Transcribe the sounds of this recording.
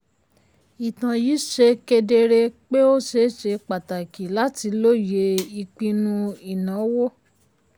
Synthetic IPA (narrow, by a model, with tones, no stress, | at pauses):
i˨tã˨jiː˨˦ʃe˧ke˧de˧ɾe˧k͡pe˦o˦ʃe˧˦ʃe˧k͡pa˨ta˨ki˨la˨˦ti˧lo˦˨je˧i˧k͡pĩ˧nũ˦i˨nã˨˦wo˦